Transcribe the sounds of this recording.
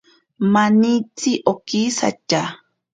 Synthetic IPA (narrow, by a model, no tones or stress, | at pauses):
manit͡siʔokisa̰t͡ʃa